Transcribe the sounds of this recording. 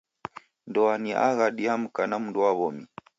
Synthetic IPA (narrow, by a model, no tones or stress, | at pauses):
ndɔaniʔa̰ɣaɗiam̩kanamundɔwaβɔmi